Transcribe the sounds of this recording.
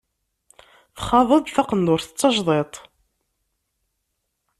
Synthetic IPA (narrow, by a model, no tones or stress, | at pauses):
θχɑðˤəd̪ˤθɑqənd̪ʊɾθə̥t͡sːɑʒðˤet̪ˤ